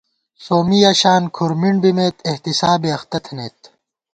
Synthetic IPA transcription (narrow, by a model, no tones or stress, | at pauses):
soːmijaːɕaːnkʰuɾmiɳɖbimeːt̪eht̪isaːbeɐxt̪ɐt̪ʰneːt̪̚